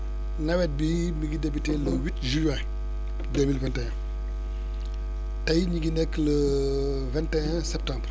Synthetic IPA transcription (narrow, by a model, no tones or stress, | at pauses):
nɐwɛt̚bi | miɡidebiteːləwitʒyɛ̃ | deːmilvɛntɛɛ̃ | tɐjɲiɡinɛkːlə | vɛntɛɛ̃ | sɛp̚tãːmbr